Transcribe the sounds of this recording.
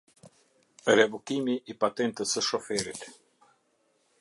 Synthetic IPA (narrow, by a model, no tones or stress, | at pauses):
ɾɛvukimiʔːpat̪ɛnt̪əsəʃɔfɛɾit̪